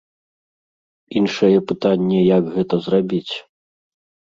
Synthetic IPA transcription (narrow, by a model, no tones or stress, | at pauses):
inʂɐjɛpɨt̪anʲːɛjɐɡɣɛt̪ɐzrabʲit͡sʲ